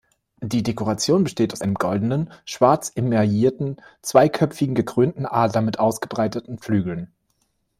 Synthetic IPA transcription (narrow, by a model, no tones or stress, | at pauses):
d̥iːdekoʁat͡sjoːnbəʃteːtaʊsʔaɪnəmɡɔldn̩ənʃv̥aɐt͡sɪmɛɐjiːɐtn̩t͡sv̥aɪkʰœpp͡fɪɡŋ̩ɡəkʁ̥øːntn̩ʔaːɐdlɐmɪtʔaʊsɡ̥əbʁaɪtətn̩flyːɡl̩n